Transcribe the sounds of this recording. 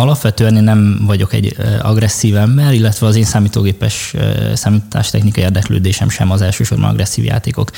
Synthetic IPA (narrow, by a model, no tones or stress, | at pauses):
ɒlɒpʋɛt̪øːɛneːnːɛɱvɒɟo̞kɛ̰ɟːɒ̰ɡrɛsːiːvɛmbɛɾilːɛt̪ʋɛɒzeːnsaːmiːt̪oːɡeːpɛʃsaːmit̪ʰa̰ːʃt̪ɛxnikɒjieːrd̪ɛklø̰ːd̪eːʃɛ̰mʃɛ̰mɒzɛlʃøːʃo̞rbɒ̰n̰ɡrʔɛsːḭːvja̰ːt̪eːko̞̰k